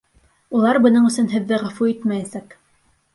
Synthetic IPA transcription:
ulˠɑɾbɤ̆nɤɴɵ̆sɵnɦɘ̆ðːɘʁæ̆fuit̪mæjæsæk

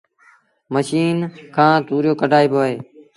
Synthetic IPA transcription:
məʃiːnkʰãːt̪uːɾjoːkəɖʱaːiːboːɦeː

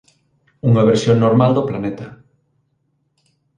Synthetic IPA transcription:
uŋɐβ̞eɾsjoŋnoɾmald̪oplanɛt̪ɐ

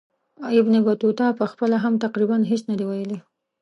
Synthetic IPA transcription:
ɪbnebat̪ut̪ɑpəxpəlaɦamt̪aqɾibanɦesnad̪ewajəle

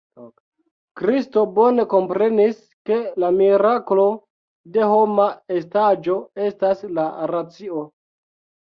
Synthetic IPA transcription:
kɾisto̞bo̞ne̞ko̞mpɾe̞nis | ke̞lamiɾaklo̞ | de̞ho̞mae̞stad͡ʒo̞e̞staslaɾat͡sio̞

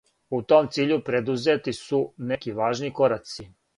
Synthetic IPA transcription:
ut̪o̞ːmt̪siːʎupɾed̪uzet̪isunekiʋaːʒniːko̞ɾasi

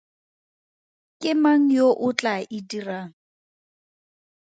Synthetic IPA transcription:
kʼɪmaŋ̩joʔʊt͡ɬʼaʔɪdiraːŋ̩

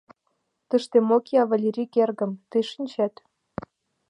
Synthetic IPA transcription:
t̪ə̆ʃt̪emokjɑvalʲeɾʲikerɣə̆mt̪eʃinʲt͡ɕæt̪

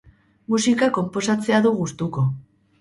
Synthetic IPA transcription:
musikako̞mpo̞sat͡se̞aðuɣust̪uko̞

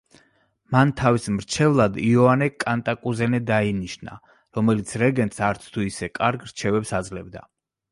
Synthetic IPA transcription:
mant̪ʰavismɾt͡ʃʰɛvlˠad̪iɔanɛkʼant̪ʼakʼuzɛnɛd̪ainiʃna̰ | ɾɔmɛlit̪sʰɾɛɡɛnt̪saɾt̪sʰt̪ʰuisɛkʼaɾɡɾt͡ʃʰɛvɛpsad̪zlɛbd̪a̰

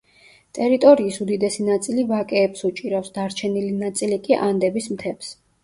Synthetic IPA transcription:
t̪ʼɛɾit̪ʼɔɾiːsud̪id̪ɛsinat̪sʼilivakʼɛːpsut͡ʃʼiɾafsd̪aɾt͡ʃʰɛnilinat̪sʼilikʼiʔand̪ɛbismt̪ʰɛps

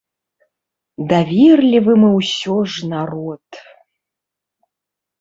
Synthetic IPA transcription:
d̪avʲirlʲivɨmɨwsʲɔʐnaɾɔt̪

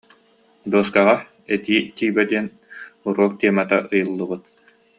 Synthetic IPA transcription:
d̪uɔskaʁa | ɛt̪iːt̪iːbɛd̪iɛn | uɾuɔk̚t̪iɛmat̪aʔɯjɯlˠːɯbɯt̪

